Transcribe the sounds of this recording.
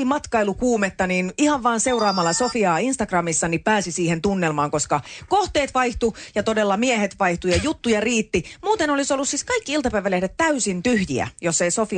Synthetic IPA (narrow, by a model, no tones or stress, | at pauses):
imɑt̪kɑilukuːmet̪ːɑniːnihɑʋʋɑːnse̞urɑːmɑlːɑsofiɑːinst̪ɑɡrɑmisːɑnippæːsisiːhent̪unːelmɑːŋkoskɑkoht̪eːt̪ʋɑiht̪ujɑt̪odelːɑmiehet̪ʋɑiht̪ujɑjut̪ːujɑriːt̪ːimuːt̪enolisolːussiskɑikːiilt̪ɑpæiʋælehdet̪t̪æysint̪yhjḭæ̰josːeisofi